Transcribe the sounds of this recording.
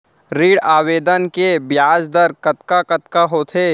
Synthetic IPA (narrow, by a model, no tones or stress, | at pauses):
ɾiːɽaːʋeːd̪ənkebjaːd͡ʒd̪əɾkɐt̪kakɐt̪kaɦoːt̪ʰeː